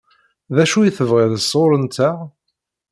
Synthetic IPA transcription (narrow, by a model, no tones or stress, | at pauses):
ðæʃujiθəvʁɪðəsˤːoɾənt̪æ